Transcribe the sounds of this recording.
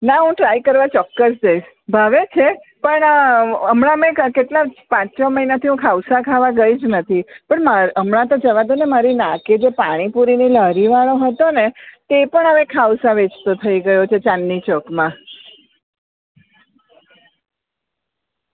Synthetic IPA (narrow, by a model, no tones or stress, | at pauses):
naɦũʈɾaikəɾʋat͡ʃɔkːəsd͡ʒəiʃ | bʱaʋet͡ʃʰe | pəɳəmɳamẽkeʈlapãt͡ʃt͡ʃoməɦinat̪ʰiɦũkʰawsakʰaʋaɡəid͡ʒnət̪ʰipəɳmaəmɳãt̪od͡ʒəʋad̪onemaɾinãked͡ʒepaɽ̃ipuɾiniləɾiʋaɽ̃oɦət̪onet̪epəɳəʋẽkʰawsaʋet͡ʃt̪ot̪ʰəiɡəjot͡ʃʰet͡ʃanːit͡ʃɔkmã